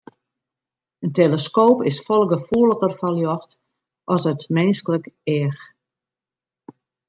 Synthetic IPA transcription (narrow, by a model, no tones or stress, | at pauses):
ənteləskoːpɪsfɔlˠɡəfuːləɣərfaljɔxt | ʔɔsətmɛnskələkɛːx